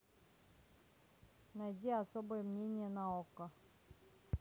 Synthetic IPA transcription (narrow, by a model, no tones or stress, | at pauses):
najdʲiasobɨjəmnʲenʲɪjənaokə